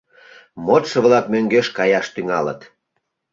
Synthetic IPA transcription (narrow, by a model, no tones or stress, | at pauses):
mot̪ʃə̆βlɑkmøŋɡeʃkɑjɑʃt̪yŋɑlə̰t̪